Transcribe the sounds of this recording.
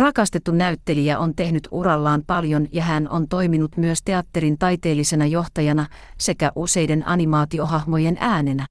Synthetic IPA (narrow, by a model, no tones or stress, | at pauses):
rɑkɑst̪e̞t̪ːunæyt̪ːe̞liæʔo̞nt̪e̞hnyt̪urɑlːɑːmpɑljo̞njɑɦæno̞̰nt̪o̞jminut̪myøst̪e̞ɑt̪ːe̞ɾint̪ɑjt̪e̞ːlːise̞nɑjo̞ht̪ɑjɑnɑ | se̞kæʔuse̞jde̞nʔɑ̰nimɑːt̪io̞ɦɑhmo̞je̞nʔæːne̞næ